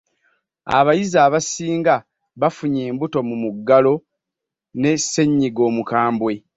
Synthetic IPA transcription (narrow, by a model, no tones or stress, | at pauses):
a̰βajizaːβasiːŋɡa | βafuɲeːmbuto̞mumuɡːalo̞ | ne̞sːe̞ɲːiɡo̞ːmukaːmbwe̞